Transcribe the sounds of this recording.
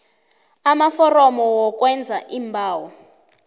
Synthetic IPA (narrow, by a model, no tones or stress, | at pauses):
amafɔrɔmɔwɔk̬ʼwɛnd͡zʱaʔimbʱaːwɔ